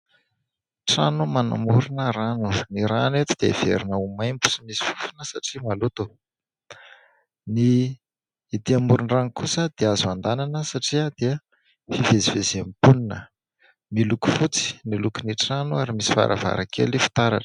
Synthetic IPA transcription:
ʈ͡ʂanumana̰muɾunəɾanuniɾanet̪ud̪̥eiv̥ḛɾinəumajmbu̥simisi̥fu̥funəsaʈ͡ʂimalut̪u | niː | d̪iamuɾuɳraŋikusəd̪̥eazuand̪ananəsaʈ͡ʂiəd̪eə | fivezivezemipuninə | miluku̥fut͡si̥nilukuniʈ͡ʂanuaɾimisi̥fa̰ɾʔa̰va̰ɾakʰḛlifi̥t̪aɾa̰ʈ͡ʂə̥

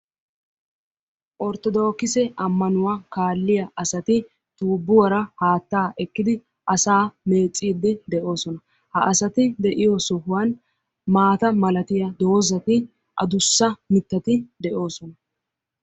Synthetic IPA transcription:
ʔɔɾt̪ɔd̪o̞ːkɪsɛʔɐmːɐnʊwakaːlːɪjɐʔɐsɐt̪ɪ | t̪uːbːʊwɐɾɐhaːt̪ːaːʔɛkːɪd̪ɪ | ʔɐsaːme̞ːt͡sʼːiːd̪ːɪd̪ɛʔo̞ːsɔnɐ | hɐ̰ʔɐsɐt̪ɪd̪ɛʔɪjɔsɔɦʊwɐn | maːt̪ɐmɐlɐt̪ɪjɐd̪o̞ːzɐt̪ɪ | ʔɐ̰d̪ʊsːɐmɪt̪ːɐt̪ɪd̪ɛʔo̞ːsɔnɐ

